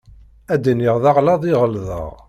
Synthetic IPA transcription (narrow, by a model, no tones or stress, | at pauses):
æd̪iniʁðɑʁlɑðˤiʁəlðə̰ʁ